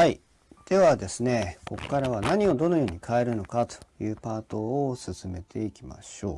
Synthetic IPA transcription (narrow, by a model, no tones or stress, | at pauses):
hai | d̪̥e̞βad̪e̞sɨne̞ko̞kkːaɾaβ̞anaɲ̟io̞d̪o̞no̞jo̞ːɲ̟ikʰaeɾɯ̟no̞kat̪o̥jɯːpaːt̪o̞ːsɨsɨme̞t̪ʰe̞ikʲima̰ɕo̞̰ː